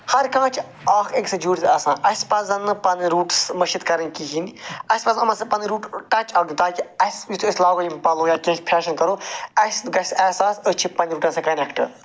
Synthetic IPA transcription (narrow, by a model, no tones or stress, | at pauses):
hɐɾkãːt͡ʃʰ | aːkʰeksɐd͡ʒuːʈʲt̪ɐsãːʔɐspɐzɐnɨpɐnɾuːʈsmɐʃit̪kɐɾɐnʲkiɦiniɐspɐzɐnɐmɐsepɐnɾuːʈʈɐt͡ʃɐɡ̪ʲt̪aːkiɐsjit̪ʰɐsʲlaːɡoimpɐlõːjaːkʲẽːkpʰɛːʃɐnkɐɾoːɐsɡɐsɛːsaːsət͡ʃʰipɐ̃nɾuːʈɐ̃ːsẽkɐnekʈɨ